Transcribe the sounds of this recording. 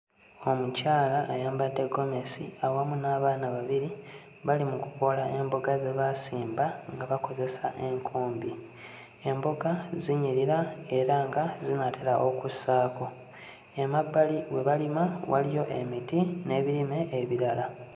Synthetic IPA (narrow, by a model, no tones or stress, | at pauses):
o̞mucaːlaʔːjaːmbadːeɡo̞me̞sḭawamunaːβaːnaβaβiɾi | βalimukuko̞laʔe̞mboɡazeβasiːmbaŋɡaβako̞ze̞saʔe̞ŋkʰuːmbi | e̞mbo̞ɡaziɲiɾiɾae̞ɾaŋɡazinatʰeɾaʔokusaːko̞ | emabaliwe̞βalimawa̰lijo̞ʔe̞̰mitine̞βiɾime̞ʔːβiɾala